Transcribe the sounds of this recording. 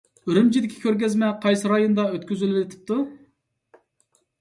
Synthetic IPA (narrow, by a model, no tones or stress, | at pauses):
ɾymd͡ʒid̪ɪkʲʰi̥kʲʰøɾɡʲɛzmɛqʰɑjsɨɾɑjond̪ɑøt̪kʲyzylylɪt̪ʰɪ̥p̚t̪ʰu